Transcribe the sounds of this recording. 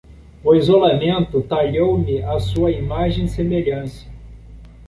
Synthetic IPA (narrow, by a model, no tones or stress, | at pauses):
ʊizolamẽnt̪ʊt̪aʎowmɪasuɐimaʒẽj̃semeʎɐ̃sɐ̥